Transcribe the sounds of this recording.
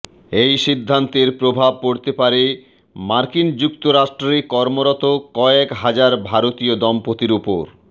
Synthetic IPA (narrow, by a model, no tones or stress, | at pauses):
ejʃid̪ʱːant̪eɾpɾobʱab̚koɾt̪epaɾe | maɾkind͡ʑukt̪oɾaʃʈɾikɔɾmoɾɔt̪okɔekɦad͡ʑaɾbʱaɾot̪iod̪ɔmpot̪iɾupoɾ